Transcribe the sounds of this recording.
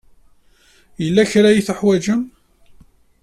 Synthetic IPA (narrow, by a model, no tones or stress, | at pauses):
jəlːæçɾæjiθəħwæd͡ʒəm